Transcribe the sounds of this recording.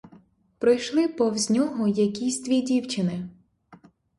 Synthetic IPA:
pɾɪjʃlˠɪpɔwzʲnʲɔɦɔjɐkʲisʲd̪ʲʋʲidʲiwt͡ʃɪnɪ

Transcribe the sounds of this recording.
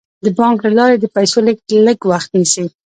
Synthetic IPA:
d̪əbɑŋklalɑɾed̪əpajsoləɡ̚ləɡwaxt̪nisi

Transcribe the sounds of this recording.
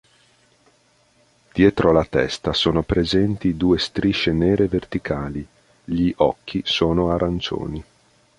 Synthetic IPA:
d̪̥jɛːt̪ɾolat̪ɛst̪asoːnopɾezɛnt̪id̪uːest̪ɾiʃeneːɾevert̪ikʰaːli | ʎiʔɔkʰːisoːnoaɾant͡ʃo̰ːni

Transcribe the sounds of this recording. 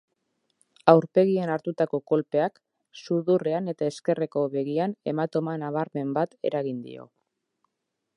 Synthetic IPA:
awɾpe̞ɣienaɾt̪ut̪ako̞ko̞lpe̞ak | suðure̞ane̞t̪ae̞ske̞re̞ko̞βe̞ɣiane̞mat̪o̞manaβ̞aɾme̞mbat̪e̞̰ɾaɣind̪ḭo̞̰

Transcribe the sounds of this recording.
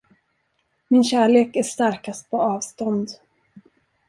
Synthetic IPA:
mɪnɕæːɭeːkæʂt̪aɾkast̪̚pʰɔɑːvst̪ɔnd̪

